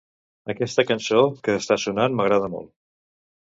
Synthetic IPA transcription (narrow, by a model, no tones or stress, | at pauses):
əkɛst̪əkənsokəːst̪asunanməɣɾað̞əmo̰lˠ